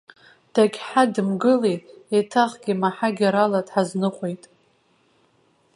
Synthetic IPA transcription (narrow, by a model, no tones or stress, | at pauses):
d̥aɡʲħadɨmɡɨlejtʼetʰaʁɡʲimaħaɡʲaɾaladħaznɨqʷʼejtʼ